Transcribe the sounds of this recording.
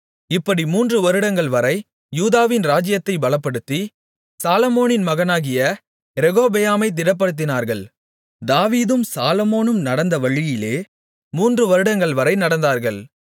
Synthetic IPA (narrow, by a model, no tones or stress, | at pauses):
ɪpːɐɽimuːndrɯʋɐɾɯɽɐŋɡɐɭʋɐɾɐɪ | juːðaːʋɪnɾaːd͡ʒɪjɐt̪ːɐɪbɐlɐpːɐɽɯt̪ːi | saːlɐmoːnɪnmɐɣɐnaːɣɪjɐ | ɾɛɣoːbɛjaːmɐɪt̪̬ɪɽɐp̬ːɐɽɯt̪̬ːɪnaːɾɣɐɭ | d̪aːʋiːðɯmsaːlɐmoːnɯmnɐɽɐnd̪ɐʋɐɻɪjɪleː | muːndrɯʋɐɾɯɽɐŋɡɐɭʋɐɾɐɪnɐɽɐnd̪aːɾɣɐɭ